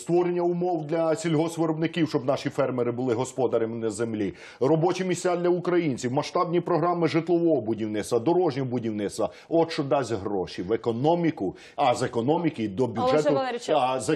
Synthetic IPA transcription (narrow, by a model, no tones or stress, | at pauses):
st̪ʋɔɾenʲːɐʊmɔwd̪lʲɐsʲilʲɦɔsʋeɾɔbnɪkʲiwʃt͡ʃɔbnɑʃifɛrmeɾɪbʊlˠɪɦɔspɔd̪ɐɾemnɐzemlʲi | rɔbɔt͡ʃimʲisʲt͡sʲad̪lʲɐʊkɾɐjinʲt͡sʲiwmɐʃt̪ɑbnʲipɾɔɦɾɑmɪʒɪt̪lˠɔʋɔɦɔbʊdʲiwnɪtst̪ɐd̪ɔɾɔʒnʲɔɔbʊdʲiwnɪt̪st̪ʋɐ | ɔʃt͡ʃɔd̪ɑsʲɦɾɔʃiʋekɔnɔmʲikʊ | ɐzekɔnɔmʲikid̪ɔbʲudʒɛt̪ʊz